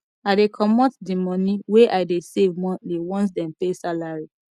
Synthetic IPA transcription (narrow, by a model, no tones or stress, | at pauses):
aɪdekʰɔmɔtdimɔ̃niweʔaɪdesevmɔ̃niwɔ̃nt̬dɛ̃mpesalaɹi